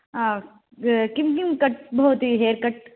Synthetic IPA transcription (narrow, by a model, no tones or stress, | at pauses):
a | kimkimkɐʈ̚bɐot̪iɦeːɾkɐʈ̚